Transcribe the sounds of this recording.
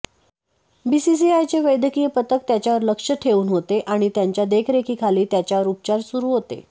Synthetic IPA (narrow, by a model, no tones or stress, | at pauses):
bisis̬iajt͡seʋəjd̪əkijəpət̪ək̚t̪jat͡ɕjaʋəɾləkʂəʈʰeuːnɦot̪eʔaɽ̃it̪jaɲt͡ɕjad̪ekʰɾekʰiːkʰaliːt̪jat͡ɕjaʋəɾup̚t͡ɕaɾsuɾuːɦot̪ḛ